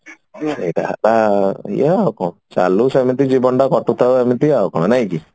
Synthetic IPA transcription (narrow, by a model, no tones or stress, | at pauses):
sejʈaɦa̰laḭjaakɔ̃t͡ʃa̰lusemit̪̬id͡ʒibɔɳɖakɔʈut̪ʰasemit̪iawkɔɽ̃anaj̃ki